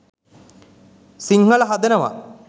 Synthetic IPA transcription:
siŋɦɐɭɐɦɐd̪enɐʋa̰

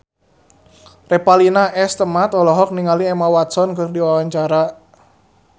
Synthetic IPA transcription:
repalinaʔɛst̪əmat̪ɔlɔɦɔk̚niŋaliɛmawat̪sɔnkɨrdiwawaɲt͡ʃaɾa

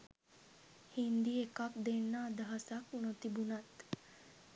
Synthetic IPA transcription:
hind̪iekakd̪enːaːd̪ɐɦasaknot̪ibunat̪

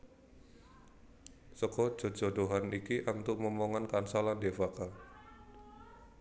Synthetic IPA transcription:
səkɔ̥ʒ̥o̤̥ʒ̥o̤doɦanikiʔant̪uʔməmoŋankansalandefaka

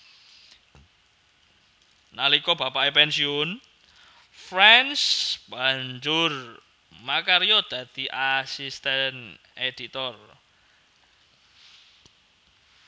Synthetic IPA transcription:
nalikɔb̥apaepɛnsiʊn | fɾɛnsb̥a̤ɲd͡ʒʊr | makaɾijɔd̪̥ä̤d̪̥i̤ʔasist̪ɛn | ed̪̥it̪ɔr

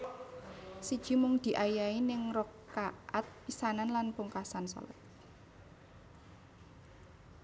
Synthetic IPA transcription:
sid̥ʒ̥i̤mʊŋd̪̥i̤ʔajainɪŋrɔkːaʔat̪̚pisananlanpuŋkasansɔ̰lɔ̰t̪̚

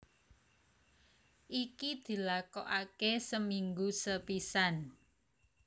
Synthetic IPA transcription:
ʔikid̪̥i̤lakɔʔakesəmiŋɡusəpisan

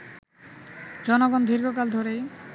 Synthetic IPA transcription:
d͡ʑɔnoɡɔnd̪ʱiɾɡokald̪ʱoɾej

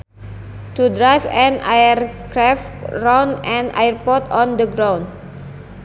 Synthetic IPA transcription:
t̪udɹajfɛ̃na̰jərkɾɛftɹãnɛ̃nʔa̰jəɹpɔt̪ɔ̃ndəɡɾãwn

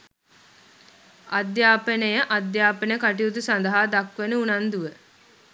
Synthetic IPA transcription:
ad̪jaːpənəjəʔad̪jaːpənəkaʈiut̪usand̪əɦaːd̪akʋenəunand̪uʋə

